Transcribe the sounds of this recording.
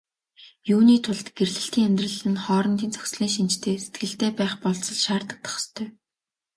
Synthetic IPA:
juːniːt̪ʰʊɮt̪ɡ̥erɮɘ̆ɬt̪iːŋæmʲt̪rə̆ɮɘ̆nχɔːɾɞ̆nt̪iːnt͡sʰœ̥xsɮiːŋʃ̬int͡ɕt̪ʰeːse̥t̪̚ɡɘ̆ɬt̪eːpæːχpɔɮt͡sɞ̆ɮʃaːrt̪ə̆k̚t̪ʰɔ̥χst̪ʰœː

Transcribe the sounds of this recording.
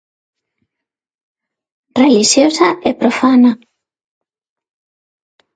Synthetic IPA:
reliʃjosaʔɛpɾofana

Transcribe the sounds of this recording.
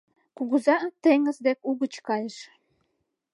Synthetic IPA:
kuɣuzɑt̪eŋə̆zd̪ekuɣə̆t͡ɕkɑjə̆ʃ

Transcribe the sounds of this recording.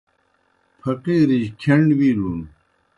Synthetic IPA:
pʰɐqiːɾiʑkʰeɳɖwilun

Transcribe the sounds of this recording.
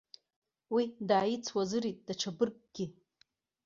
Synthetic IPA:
widaːjit͡sʰwazɨɾitʼd̥aʈ͡ʂʰabɨrkʼɡ̥ʲɪ

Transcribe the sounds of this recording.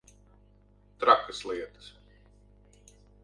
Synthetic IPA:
t̪ɾakɨslˠiɛt̪ɨ̥s

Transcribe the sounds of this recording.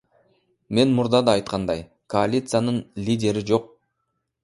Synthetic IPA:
me̞nmuɾd̪ɑd̪ɑːjt̪̚qɑnd̪ɑj | ko̞alʲit̪sɨjanɯnlʲidʲe̞ɾid͡ʒo̞q̚

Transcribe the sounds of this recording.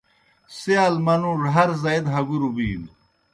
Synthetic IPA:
sialmɐnuʐɦɐɾzaid̪ɦɐɡuɾubiːl

